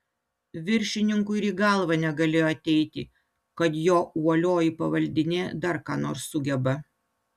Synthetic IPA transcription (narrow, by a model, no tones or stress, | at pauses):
ʋʲɪɾʲʃʲɪnʲɪŋkʊɪɾiːɡɐˑlˠʋɐnʲɛɡɐlʲeːjoːɐt̪ʲɛɪt̪ʲɪ | kɐt̪joːuɔlʲoːjipɐʋɐlʲd̪ʲɪnʲeːd̪ɐɾkɑːnoːɾsːʊɡʲɛbɐ